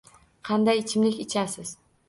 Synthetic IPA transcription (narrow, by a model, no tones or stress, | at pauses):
qʰɑnd̪ajt͡ʃʰɪmlɪkʲɪt͡ʃʰasɪz̥